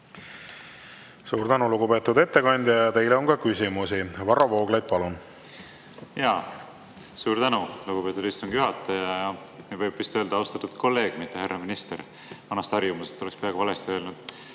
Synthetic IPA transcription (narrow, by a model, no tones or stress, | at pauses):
suːɾd̪ænuluɡupet̪ːud̪e̞t̪ːe̞kɑnʲd̪ʲjɑjɑt̪e̞jleonkɑkysʲimusivɑrɑvoːɡ̥lejd̪̚pɑlun | jɑː | suːɾd̪ænuluɡ̥upe̞ːt̪ːˑud̪ist̪uŋɡ̥juɦɑt̪ːˑɑjɑjɑ | mivɤjb̥vist̪øld̪̥ɑɑwst̪ɑt̪ːud̪̥kʰo̞lːe̞ːɡ̥mit̪ːˑeheɾɑminist̪e̞ɾ | vɑnɑst̪ɑrjumusest̪o̞lekspeɑeɡ̥uvɑlest̪iø̞ːlnud̪̥